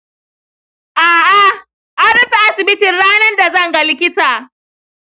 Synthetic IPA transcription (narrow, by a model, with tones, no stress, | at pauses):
ʔaː˨ʔa˨ | ʔa˦ɽɐ˦ɸi˨ʔa˦sɪ˨bɪ˦tɪ˨nɽaː˦nɐ˦rda˨zɐ˦ŋɡa˦lɪ˦kʲɪ˦taː˨